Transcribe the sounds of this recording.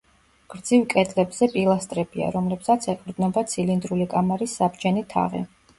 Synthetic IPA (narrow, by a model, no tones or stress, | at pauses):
ɡ̥ɾd̪zivkʼɛd̪ʼlɛbzɛpʼilˠast̪ʼɾɛbia̰ɾɔmlɛbsat̪sʰɛkʼɾd̪nɔbat̪sʰilind̪ɾulikʼamaɾisːabd͡ʒɛnit̪ʰa̰ʁɛ̰